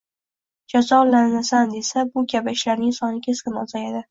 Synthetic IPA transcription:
d͡ʒazɒlːannasand̪e̞sabʊɡʲabaʃlaɾnɪŋsɒnɪkʲʰeskʲɪnɒzajad̪ɪ

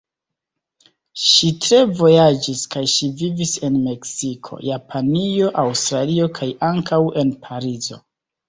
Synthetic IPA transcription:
ʃitɾe̞vo̞jad͡ʒiskajʃivivise̞nme̞ksikʰo̞̰japʰanio̞ʔawstɾalio̞kʰajʔaŋkawe̞npʰaɾizo̞̰

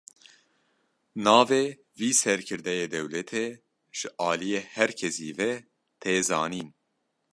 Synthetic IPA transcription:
nɑːveː | viːsɛɾkʰɨɾd̪ɛjeːd̪ɛwlɛt̪ʰeː | ʒ̥ɨʔɑːlijeːhɛɾkʰɛsḭːvɛ | t̪ʰeːzɑ̰ːniːn

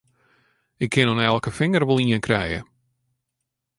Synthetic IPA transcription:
ɪkʰːɪnɔnɛlˠkəfɪŋərʋolˠiənkrɛjə̰

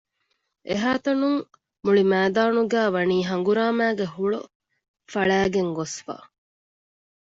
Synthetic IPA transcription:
ʔeɦaːt̪ɐnuŋ | muɭimæːd̪aːnuɡæːʋɐniːɦɐŋ̆ɡuɾaːmæːɡeɦuɭṵ | fɐɭæːɡeŋɡosfa̰ː

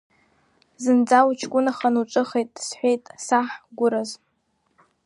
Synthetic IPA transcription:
zɨnd͡zawt͡ʃʰkʷʼʊnaχanuʈ͡ʂʷʼɨχejtʼsħʷejtʼsaħɡʷʊɾaz

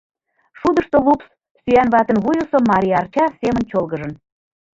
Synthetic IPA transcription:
ʃud̪əʃt̪olups | syænβɑt̪ə̆nβujusomɑɾʲijɑrt͡ɕɑsemənt͡ɕolɣəʒə̆n

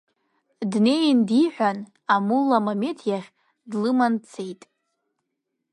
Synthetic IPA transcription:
dne̞jndiħʷᶣan | amulːamame̞tʰjaχʲ | dlɨmant͡sʰe̞jtʼ

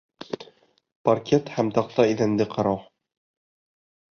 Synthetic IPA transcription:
parkʲet̪hæmt̪ɑq̚t̪ɑiðænd̪ɘqɑɾɑw

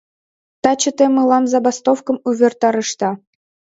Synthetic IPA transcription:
t̪ɑt͡ɕə̆t̪emɯlˠɑmzɑbɑst̪ofkɤ̆muβʲert̪ɑɾɤ̆ʂt̪ɑ

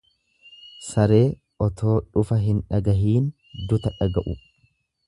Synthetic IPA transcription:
sɐɾe̞ː | ɔt̪ʰo̞ːᶑʊfɐɦɪnᶑɐɡɐɦiːn | d̪ʊt̪ɐᶑɐɡɐʔʊ

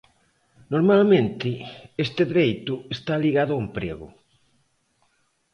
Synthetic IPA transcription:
noɾmalmẽnt̪ɪest̪ɪðɾejt̪ʊest̪aliɣaðʊaempɾḛɣʊ̰

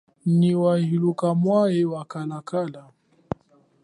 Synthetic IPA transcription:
niwahilukamwaɛwakalakala

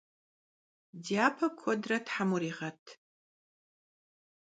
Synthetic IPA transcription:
dijapʰɐkʷʰɔdratħamuɾiʁɐtʼʰ

